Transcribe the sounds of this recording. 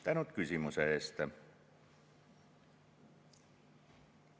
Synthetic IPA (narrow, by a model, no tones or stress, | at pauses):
t̪ænot̪kysimuseest̪æ